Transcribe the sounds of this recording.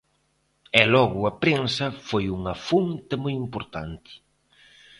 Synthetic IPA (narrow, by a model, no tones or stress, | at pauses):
ɛlɔɣʊɐpɾensɐfojuŋɐfunt̪ɪmojimpoɾt̪a̰nt̪ɪ̥